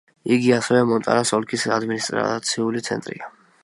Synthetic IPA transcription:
iɡiasɛvɛmɔnt̪ʼa̰ɾasɔlkʰisad̪minist̪ʼɾa̰t̪sʰiulit̪sʰɛ̰nt̪ʼɾḭa

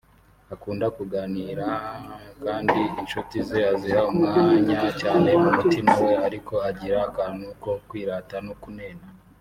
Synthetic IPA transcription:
akuːndakuɡaːniːɾakaːndiinʃutizeazihaumŋaːɲacaːne̞mumutimawe̞aɾikʰo̞aɟiɾakanukokwiːɾaːtanokunena

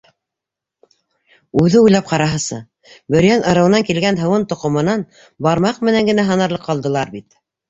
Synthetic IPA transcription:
ʉðɘujlˠɑp̚qɑɾɑɦɤ̆sɤ̰ | bɵ̆ɾjænɤ̆ɾɤ̆wɤ̆nɑŋkilɡænɦɤ̆wɤnt̪ŏqŏmɤ̆nɑn | bɑɾmɑqmɘ̆næŋɡɘ̆næɦɤ̆nɑ̆ɾlɤqːɑlˠd̪ɤ̆lˠɑɾbit̪

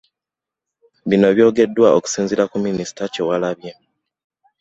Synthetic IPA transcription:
βino̞βjo̞ːɡe̞dːwao̰ku̥siːnzilakuminisi̥tacewalaβje

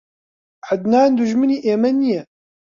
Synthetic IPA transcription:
ʕad̪naːnd̪uʒməniːʔeːmɐnijɛ

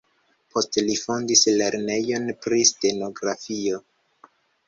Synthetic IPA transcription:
pʰo̞stlifondisle̞ɾne̞jo̞npɾiste̞no̞ɡɾafio̞

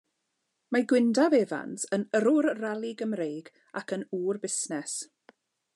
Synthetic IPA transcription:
maɡwɪndaveva̰nsənəɾʊɾralˠɪɡəmrejɡ | a̰kʰənuːrbɪsnɛs

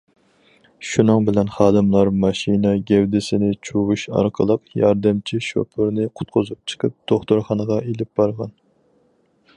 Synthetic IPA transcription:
ʃunɨŋbɪlɛnχɑːd̪ɨmlˠɑɾmɑʃinɛɡʲɛwd̪ɪsɪnɪt͡ʃʰuwuʃɑ̰ɾqʰəlˠəqjɑɾd̪ɨmt͡ʃʰiʃo̰pʰɨɾnɪqʰʊ̥t̪̚qʰʊzup̚t͡ʃʰə̥qʰəp̚d̪̥oχt̪uɾχɑnəʁɑʔelɪp̚bɑɾʁɑ̰n

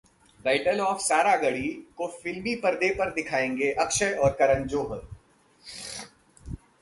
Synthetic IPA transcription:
ɖaːɪʈəlɔːfsaːɾaɡɐɽikofɪlmipɐɾd̪epɐɾd̪ɪkʰaːẽːŋɡeʔɐkʃəjɔːɾkɐɾə̃nd͡ʒoːɦə

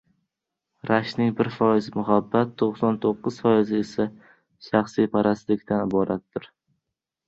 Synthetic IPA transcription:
ɾʔaʃnɪŋbɪɾfɒjɪzɪmʊɦabːat̪ʰːoqsɒnt̪ʰoqːɨz̥fɒjɪzɪesa | ʃaχsijpʰaɾast̪lɪkʲt̪anɪbɒɾat̪ːɪɾ

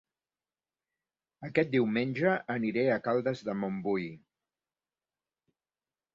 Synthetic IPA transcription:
əkɛt̪̚d̪iwmenʲʒəʔːniɾeəkalˠd̪əzðəmombuj

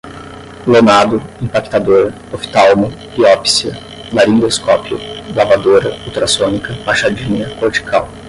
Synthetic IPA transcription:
lonad̪ʊĩpaki̥t̪ad̪oɾɐ | ofi̥t̪awmʊ | biɔpsiɐ | maɾĩd̪eskɔpjʊ̰lavad̪oɾɐut̪ɾasõnikɐpaʃad͡ʒĩɲɐkoɾt͡ʃi̥kʰaw

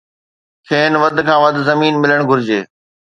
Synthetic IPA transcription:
kʰeːnʋɐd̪ʱkʰãːʋɐd̪zɐmiːnmɪləɽ̃ɡʱʊɾɪd͡ʑeː

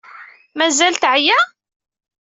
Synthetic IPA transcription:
mæzælt̪ʕjæ

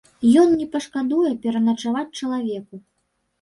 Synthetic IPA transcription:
jɔnnʲɛpɐʂkad̪ujɛpʲɛɾɐnɐt͡ʂavat͡sʲt͡ʂɐlˠavʲɛku

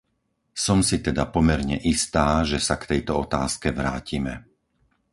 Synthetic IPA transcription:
sɔmsit̪ɛd̪apɔmɛɾɲɛʔist̪aːʒɛsakt̪ɛjt̪ɔɔt̪aːskɛʋɾaːcimɛ

